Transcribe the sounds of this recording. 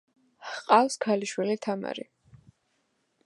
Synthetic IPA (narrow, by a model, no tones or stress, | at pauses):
qʼafskʰaliʃwilit̪ʰama̰ɾḭ